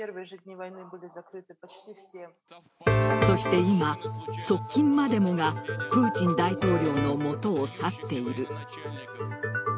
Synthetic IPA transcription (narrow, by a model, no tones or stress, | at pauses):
vɨt̪ʲnʲivajnɨbɨlʲɪzakɾɨt̪ɨe | so̞ɕi̥t̪e̞imaso̞kʲːĩmːad̪e̞mo̞ɡapɯ̟ːt͡ɕĩnd̪ait̪o̞ːɾʲo̞ːno̞mo̞t̪o̞ːsat̪ːe̞iɾɯ̟